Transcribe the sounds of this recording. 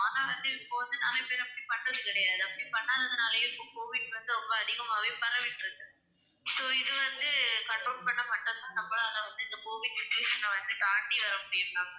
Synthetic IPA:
aːnaːʋɐnd̪ɯɪpːoːʋɐnd̪ɯnaːmepɛɾɛpːɐɽipɐɳɖrɐðɯkɪɽɐjaːðɯɐpːɐɽipɐɳːaːðɐðɯnaːlɐjɪ̃ɪpːõkoːʋɪɖʋɐnd̪ɯɾɔmbɐːðɪɣɐmaːʋipɐɾɐʋɪʈːɪɾɯkːɯ | soːɪðɯʋɐnd̪ɯkɐɳʈɾoːlpɐɳːɐpɐɳɖɐnaːnɐmːɐɭɐɐlɐʋɐnd̪ɯɪnd̪ɐkoːʋɪɖsɪt͡ʃːʊʋeːʂɐnːɐʋɐnd̪ɯt̪aːɳɖiʋɐɾɐmʊɽɪjɾɯkːaːŋɡɐ

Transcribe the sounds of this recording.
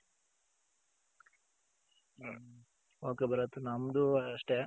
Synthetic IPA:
oːkebɐɾɐt̪ːunɐmd̪uɐʂʈe

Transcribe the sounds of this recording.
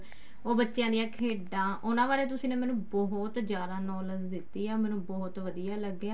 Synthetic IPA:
oːbətːʃjãːd̪ijãːkʰeːɖãːʔʊnãːbaːɾeːt̪ʊsĩːnẽːmɛːnũːbɔɦʊt̪d͡ʒjaːd̪aːnɔːləzd̪ɪt̪ːiːaːmɛ̃ːnũːbɔːt̪ʋəd̪ijaːləɡːjaː

